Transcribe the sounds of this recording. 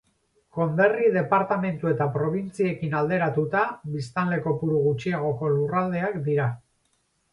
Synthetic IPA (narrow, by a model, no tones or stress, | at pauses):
ko̞mbe̞riðe̞paɾt̪ame̞nt̪ue̞t̪apɾo̞β̞int͡sie̞kinald̪e̞ɾat̪ut̪aβist̪anle̞ko̞puɾuɣ̞ut͡ʃiaɣ̞o̞ko̞lurald̪e̞akd̪iɾa